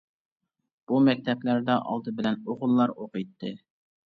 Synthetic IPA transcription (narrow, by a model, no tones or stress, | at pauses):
b̥umɛk̚ʲt̪ʰɛplæɾd̪ɑʔɑ̰lˠd̪ɨbɪlɛnoʁʊlˠːɑɾoqɨjt̪ʰːɨ